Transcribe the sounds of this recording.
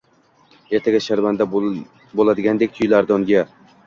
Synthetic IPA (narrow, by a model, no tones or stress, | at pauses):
eɾt̪ʰaɡʲaʃaɾvand̪a | bolˠad̪ɪɡʲand̪ekʲt̪ʰʊjlaɾd̪ɒŋɡʲa